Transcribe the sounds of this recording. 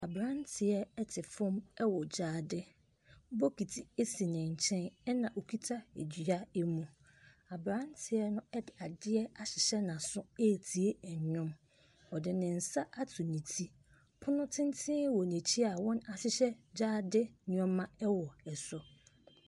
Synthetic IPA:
a˨bɾã˦n˦tʰɪ˨ɛ˦ɛ˦tʰɪ˨fʊ̃˦mɛ˦wɔ˨d͡ʑaː˨˦dɪ˦ | bo˦kʰi˨tʰi˨e˦si˨nɪ̃˨ɲ̩˨t͡ɕʰɛ̃˦nɛ˦nã˨ʔo˨kʰi˦tʰa˦ḛ˨d͡ʑɥa˦e˦mũ˨ | a˨bɾã˦n˦tʰɪ˨ɛ˦nʊ̃˦ɛ˦dɪ˨a˨dɪ˦ɛ˦a˨ɕɪ˨ɕɛ˦nã˨sʊ̃˦e˦˨tʰi˨e˦ɛ˨ɲ˨ɲʊ̃˦m | ɔ˨dɪ˨nɪ̃˨n̩˨sa˦ʔa˦tʰʊ˨nĩ˨tʰi˦ | pʰʊ˦nʊ̃˦tʰɪ̃˦n˦tʰɪ̃˦wɔ˨nẽ˨t͡ɕʰi˦a˨wɔ̃˦na˨ɕɪ˦ɕɛ˦d͡ʑaː˦dɪ˦ɲ˦ɔ̃˦mːã˦ɛ˦wɔ˨ɛ˨sɔ˦

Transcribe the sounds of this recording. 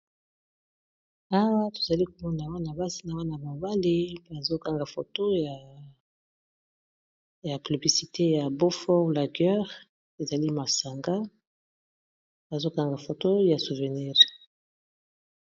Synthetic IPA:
a˦wa˦to̥˨za˨li˦ko˨mɔ˦na˨wa˦na˨ba˦si˦na˨wa˦na˨ma˨ba˦li˦ba˨zo˦ka˦ŋɡa˨fo̰˨to˦ja˨ | ja˨py˨bli˨si˨te˦ja˨bo˦fɔ˦la˨ɡɛ˦ʁ | e˨za˨li˦ma˨sa˨ŋɡa˦ | ba˨zo˦ka˦ŋɡa˨fo˨to˦ja˨su˨vɛ˨ni˦˨ʁ

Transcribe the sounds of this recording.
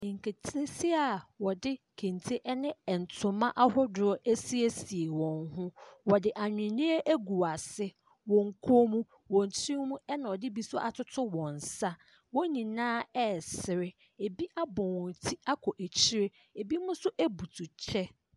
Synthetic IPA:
ŋ̩˨kʰe˨tʰi˦e˦si˦a˨wɔ˨dɪ˦ | kʰẽ˨ntʰe˦ʔɛ˦nɪ̃˦˨n̩˨tʰʊ̃˨mã˦ʔa˦hʊ˦dʊ˨ɔ˦ʔæ˦si˦e˦si˨e˨wɔ̃˨nɦʊ̃˦wɔ˨dɪ˨ʔa˨ɲᶣɪ̃˨nĩ˦e˦ʔæ˦ɡu˨a˨sɪ˦ | wɔ̃˨ŋ̩˨kʰo˦mũ˦ | wɔ̃˨n˨tʰĩ˦mũ˦ɛ˦nã˨ɔ˨dɪ˦bi˨sʊ˦ɔ˦ʔa˨tʰʊ˦tʰʊ˦wɔ̃˨n˨sa˦ | wɔ̃˦nĩ˨nãː˦ɛ˦sɪ˨ɾɪ˦ | e˨bi˦ʔa˦bɔ̃˨wɔ̃˨tʰi˦a˦kʰɔ˨ʔæ˨t͡ɕʰi˦ɾe˦ | e˨bi˦mʊ̃˦sʊ˦ʔæ˦bu˨tʰu˨t͡ɕʰɛ˦

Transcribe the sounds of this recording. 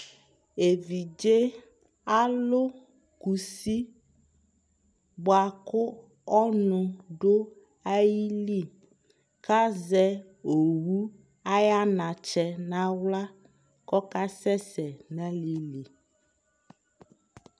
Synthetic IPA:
e˨vi˨d͡ʒe˦ | a˦lo˦ | ku˨si˦ | bɔ˨a˨kʊ˦ | ɔ˦nũ˨ɖo˦ | a˦ji˦li˦˨ | ka˦zɛ˦ | o˨wu˦ | a˦ja˦nã˨t͡ʃɛ˦nã˦wla˦ | kɔ˦ka˦sɛ˦sɛ˨nɛ̃˦li˦li˨

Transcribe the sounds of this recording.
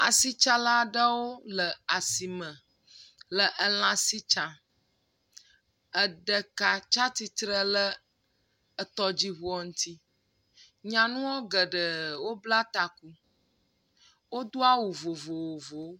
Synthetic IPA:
a˨si˦t͡ʃa˦la˦ɖə˦wo˦lə˨a˨si˨mə̃˨ | lə˨ʔə˨lã˨si˦t͡ʃa˨ | ə˨ɖə˨ka˨t͡ʃa˦t̪i˦t̪ɾə˦lə˦ | ə˨t̪ɔ˦d͡ʑi˦βo˦ɔ˦˨ŋũ˦t̪ʰi˦ | ɲã˨nũ˦wo˦ɡə˨ɖə˨wo˦bla˦t̪a˨ku˦ | wo˦d̪o˦a˦wu˨vo˨vo˨wo˨vo˨˦

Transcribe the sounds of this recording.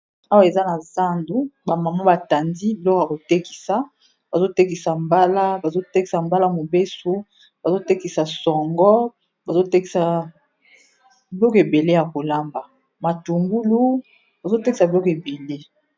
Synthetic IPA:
a˦wa˦e˨za˦na˨za˦ndu˦ba˨ma˨ma˦ba˨ta˨ndi˦bi˨lɔ˦ko˦˨a˨ko˨tɛ˦ki̥˨sa˨ | ba˨zo˦tɛ˦ki˨sa˨mba˦la˦ba˨zo˦tɛ˦ki˨sa˨mba˦la˦mo˨be˦so˦ | ba˨zo˦tɛ˦ki˨sa˨sɔ˨ŋɡɔ˦ | ba˨zo˦tɛ˦ki˨sa˨ | bi˨˦lɔ˦ke˨be˨le˦ja˨ko˨la˦mba˨ | ma˨tu˨ŋɡu˦lu˦ | ba˨zo˦te˦ki˨sa˨bi˨lɔ˦ke˨be˨le˦

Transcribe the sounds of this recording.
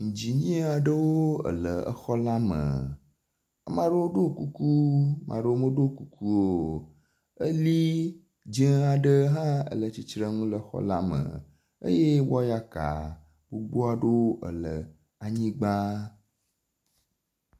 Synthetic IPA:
ŋ̩̃˨d͡ʑi˨ɲĩ˦a˨ɖə˦woo˦ə̰˨lə˨ə̰˦xɔ˦la˦mə̰˨ | ə˦mã˦ɖə˦wo˦ɖo˦˨ku˦ku˦mʔã̰˨ɖə˦wo˦mə˦ɖo˦˨ku˦kʰu˦o˦˨ | ə˦li˦ | d͡ʒẽ˦a˨ɖə˦ɦã˦ə̰˨lə˨t͡ɕi˦t͡ʃɾə˦ŋũ˦lə˦xɔ̰˦la˦mə̰̃˨ | ə̰˦je˦wɔ˦ja˦ka̰˨ | bu˦bo˦a˨ɖə˦wo˦ʔə̰˨lə˨ | a˨ɲĩ˦ɡ͡ba˦

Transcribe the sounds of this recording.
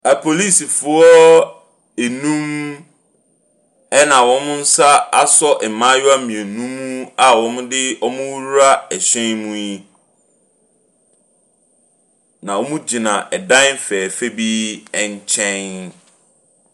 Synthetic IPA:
æ˨pʰo˨li˦˨si˨fʊ˨˦ɔ˦ | e˨nũ˦m | ɛ˦nã˨wɔ̃˦mʊ̃˦n̩˦sa˦a˦sɔ˦ʔɛ˨mã˦jʊ˦a˦mĩ˨ɛ˨nũ˦mːũ˦a˨wɔ̃˨˦mʊ̃˦dɪ˦ɔ˦mʊ̃˦wu˦ɾɾa˦ɛ˨ɕᶣɛ̃˦nmũ˦ji˦ | nã˨wɔ˦mũ˦d͡ʑi˨nã˨ʔɛ˨dã˦n˦fɛː˨fe˦bi˦ɛ˨ɲ˦t͡ɕʰɛ̃˦n

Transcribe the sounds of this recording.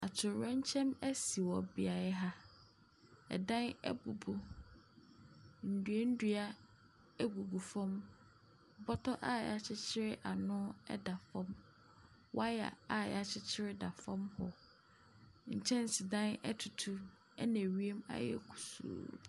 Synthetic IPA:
a˨t͡ɕʰɪ˨ɾɛ̃˦ɲ̩˦t͡ɕʰɛ̃˦mɛ˦si˨wɔ˨bi˨a˨ɛ˦ɦa˦ | ɛ̰˨dã˦nɛ̰˦bu˨bu˦ | n̩˨du˨e˦n̩˦du˦a˦ | ɛ˦ɡu˨bu˨fɔ̃˦m˨ | bɔ˦tʰɔ˦ʔa˦ja˨t͡ɕʰɪ˦t͡ɕʰɪ˦ɾɪ˦ʔa˨nʊ̃˦ɛ̰˦da˨fɔ̃˦m | wa˦ja̰˨a˦˨ja˨t͡ɕʰɪ˦t͡ɕʰɪ˦ɾɪ˦da˨fɔ̃˦mhɔ˨ | ɲ̩˨t͡ɕʰɛ̃˦n˨sɪ˨dã˦nɛ̰˦tʰu˨tʰu˦ | ɛ̰˦nɛ̃˨ɥi˦e˦ma̰˦jɛ̰˦kʰu̥˨sṵː˨

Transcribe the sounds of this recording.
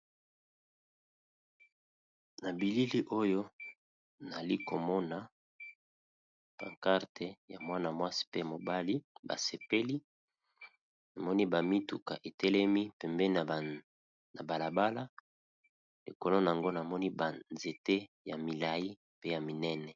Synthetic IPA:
na˨bi˨li˦li˦ʔo˦jo˦ | na˨li˦ko˨mɔ˦na˨ | pa̰˨ŋka˦ʁtʰe˨ja̰˨mwa˦na˨mwa˦si̥˦pe˦˨mo˨ba˦li˦ba̰˨se˨pe˦li˦ | na˨mɔ˦ni˦ba˨mi˦tu˨ka̰˨ʔe˨tɛ˦lɛ˦mi˦pɛ˨mbɛ˦˨ | na˨ba˨la˨ba˦la˦ | lḛ˨ko˨lo˦na˨a˨ŋɡo˦na˨mɔ˦ni˦ba˨nze˨te˦ja˨mi˨la˨ji˦ | pe˦ja˨mi˨nɛ˦nɛ˨

